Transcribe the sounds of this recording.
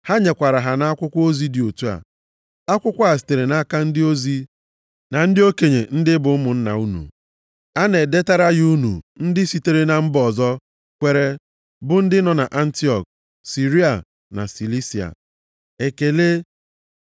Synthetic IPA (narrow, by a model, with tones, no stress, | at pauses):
ha˦ɲe˨kʷa˨ɾa˨ɦa˨na˨a˦kʷʊ˦kʷo˦zi˦dɪ˨o˨tu˦a̰˨ | a˦kʷʊ˦kʷa˨s̬i̥˨te˨ɾe˨na˦ka˦n̩˦dɪ˦o˦zi˦ | na˨n̩˦dɪ˦o˦ke˨ɲe˨n̩˦dɪ˦bʊ˨˦mʊ˨n̩˦na̰˨u˦nṵ˨ | a˦ne˨de˦ta˦ɾa˦ɣu˦nṵ˨n̩˦dɪ˦si˦te˦ɾe˦na˨m̩˦bɔ˨zɔ˦ | kʷe˨ɾe˨ | bʊ˦n̩˦dɪ˦nɔ˨na˨ʔa˦n̩˦ti˦ɔ˨k̚ | si˨ɾi˦a˨ | na̰˨si˨li˦si˨a̰˨ | e˨ke˨le˦